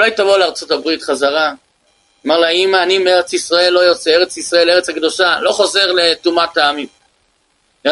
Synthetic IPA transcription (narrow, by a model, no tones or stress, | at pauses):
ulajt̪avoleaʁt͡so̞tabʁit̪χazaʁa | maʁlaimaːnimeʁet͡sisʁae̞lːojo̞t͡seeʁet͡sisʁae̞leʁet͡shakd̪o̞ʃalo̞χoze̞ʁle̞tumat̪aːmim